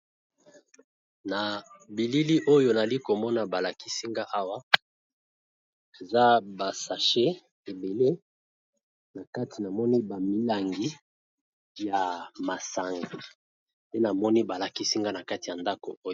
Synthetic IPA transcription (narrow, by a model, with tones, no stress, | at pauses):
na˨bi˨li˦li˦ʔo˦jo˨n˨a˨li˦ko˨mɔ˦na˨ba˨la˨ki˦si˦ŋɡa˦ʔa˦wa˦ | e˨za˦ba˨sa˨ʃe˦ | e˨be˨le˦ | na˨ka˦tʰi˨na˨mɔ˦ni˦ba˨mi˦la˨ŋɡi˦ | ja˨ma˨sa˨ŋɡaa˨ | pe˦na˨mɔ˦ni˦ba˨la˨ki˦si˦ŋɡa˦na˨ka˦ti˨ja˨nda˦ko̰˨o˦